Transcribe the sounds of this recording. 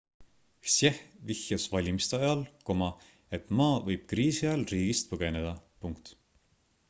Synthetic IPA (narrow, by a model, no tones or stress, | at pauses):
sjehvihjɑsvɑlʲimist̪eɑjɑlko̞mɑ | et̪ˑmɑːvɤjb̥̚kriːsiɑlriːɡ̥ist̪pɤɡ̥e̞ne̞d̪̥ɑpuŋkt̪